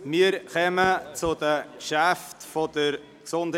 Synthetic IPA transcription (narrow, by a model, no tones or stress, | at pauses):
miːəɾxɛmət͡sʊdəkʃæftfɔd̥əɾ | ksʊnd